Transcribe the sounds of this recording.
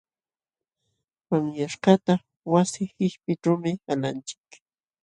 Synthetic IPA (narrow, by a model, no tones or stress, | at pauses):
maŋjaʃqɑt̪a | wasɪhɪʃpɪʈ͡ʂawmɪalant͡ʃɪ̥k